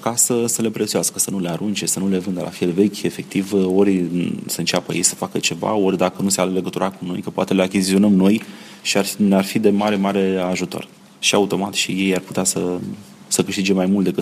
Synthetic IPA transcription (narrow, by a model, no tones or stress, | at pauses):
kasəsəle̞pɾet̪sioaskəsənuleaɾunt͡ʃe̞sənule̞vɨnd̪əlʔa̰fjelve̞kʲe̞fe̞k̚t̪ivo̞ɾʲsəɨnt͡ʃapə̰jejsə̥fakət͡ʃe̞va̰o̞rʲd̪akənuse̞ale̞ɡət̪uɾʔakuno̞̰jkəpoat̪eleakʲizizio̞nəmno̞j | ʃiarnearfid̪e̞maɾe̞maɾe̞aʒut̪o̞̰r | ʃiaut̪o̞mat̪ʃije̞jarpu̥t̪easə | səkɨʃt̪id͡ʒe̞majmult̪d̪e̞kɨ